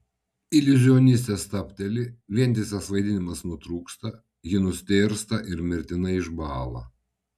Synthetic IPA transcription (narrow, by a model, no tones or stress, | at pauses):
ilʲɪʒʲɪɔːnʲɪs̬ʲt̪ʲɛst̪ɐpʲt̪ʲɛlʲɪʋʲiɛnʲt̪ʲɪsʲɛsʋɐɪd̪ʲɪnʲɪmɐsnʊt̪ɾuːkst̪ɐ | jɪnʊsʲt̪ʲeːɾst̪ɐʔɪɾmʲɪɾʲt̪ʲɪnɐɪʒbɑːlˠɐ